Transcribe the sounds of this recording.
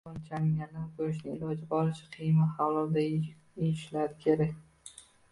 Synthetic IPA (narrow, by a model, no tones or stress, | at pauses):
ɒnt͡ʃʰamːanɪkʰɵɾɪʃ̬nɪŋɪlɒd͡ʒɪbɒɾɪt͡ʃʰḁqʰijmahalɒɾd̪a | ɪʃlaɾɪkʲʰeɾakʲ